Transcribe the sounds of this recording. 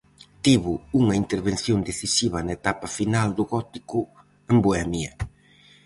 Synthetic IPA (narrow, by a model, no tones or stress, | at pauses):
t̪iβʊuŋɐint̪eɾβen̟θjond̪eθisiβɐnɐet̪apɐfinald̪ʊɣɔt̪ikʊ | emboɛmjɐ